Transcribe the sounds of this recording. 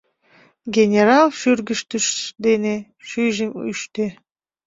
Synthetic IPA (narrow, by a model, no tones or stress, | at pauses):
ɡʲenʲeɾɑlˠʃyrɡəʃt̪əʃd̪ene | ʃyʒəmy̰ʃt̪e